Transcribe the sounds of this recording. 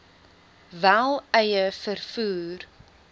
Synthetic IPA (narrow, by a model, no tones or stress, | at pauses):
vælˠɛjəfərfuːr